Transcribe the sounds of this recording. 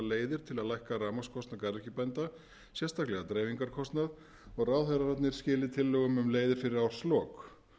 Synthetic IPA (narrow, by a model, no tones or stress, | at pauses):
leːjðɪɾ̥t̪ʰɪlaðlajhkaraːmaskʰɔst̪nakaɾɛhcɪpɛnt̪a | sjɛst̪aklɛɣat̪ɾeːjviŋkaɾ̥kʰɔst̪nað | ɔɣraːwðɛraɾat̪nɪɾ̥scɪːlɪt̪ʰɪlːœɣʏmʏmleːjðɪɾ̥fɪɾɪɾawɾ̥slɔːk